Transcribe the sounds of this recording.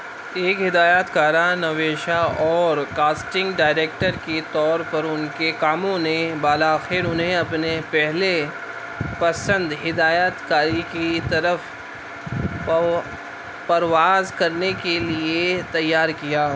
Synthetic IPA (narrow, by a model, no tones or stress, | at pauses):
eːkɦɪd̪aːjaːt̪kaːɾanɐʋeːʃaɔːɾkaːsʈɪ̃ŋɡɖaːɪɾeːk̚ʈəɾket̪ɔːɾpɐɾʊnkekaːmõnebaːlaːxɪɾʊnɦeɐpnepɛɦle | pɐsə̃nd̪ɦɪd̪aːjaːt̪kaːɾikit̪ɐɾəf | pɐɾʋaːzkɐɾnekeliet̪ɐjːaːɾkijaː